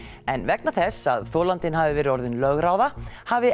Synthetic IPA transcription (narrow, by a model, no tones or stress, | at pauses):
ɛnvɛknaθɛsːa̰ðθɔːlant̪ɪnɦaːvɪvɛːɾɪɔɾðɪnlœɣɾawðahavɪ